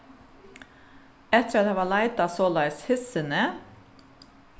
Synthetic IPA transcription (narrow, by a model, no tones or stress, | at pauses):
ɛt̪əɾɑt̪ɑːʋɑːɭæɪd̪ɑsoːlɑɪshɪsənə